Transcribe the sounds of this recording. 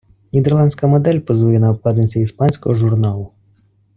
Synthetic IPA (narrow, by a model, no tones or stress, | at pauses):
nʲid̪ɛrlˠɑnʲd̪ʲsʲkɐmɔd̪ɛlʲpɔzʋɔjɛnɐɔklˠɑd̪nɪsʲɐispɑnʲsʲkɔ̰ɦɔʒʊrnɑlˠʊ